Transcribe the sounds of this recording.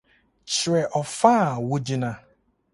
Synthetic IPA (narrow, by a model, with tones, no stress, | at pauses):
t͡ʃɾe˨ʔɔ˨faː˦˨wʊ˦d͡ʒi˦na˦